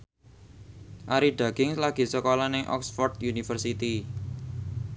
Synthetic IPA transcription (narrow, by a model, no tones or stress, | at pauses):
ʔaɾiɖ̥a̤ɡ̥ɪŋslaɡ̥i̤səkolɔnɪŋʔɔ̰ksfɔrd̪junifərsit̪i